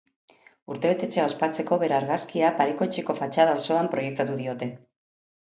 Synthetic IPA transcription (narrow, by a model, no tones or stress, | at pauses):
uɾt̪e̞βe̞t̪e̞t͡se̞ao̞spat͡se̞ko̞βe̞ɾaɾɣaskiapaɾiko̞t͡ʃeko̞fat͡ʃaðawso̞ampɾo̞je̞k̚t̪at̪uðio̞t̪e̞